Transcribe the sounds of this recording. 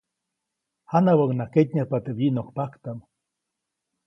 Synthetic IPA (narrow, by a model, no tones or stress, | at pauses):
hanawawnaket̪ɲahpat̪eβiʔnokpakt̪am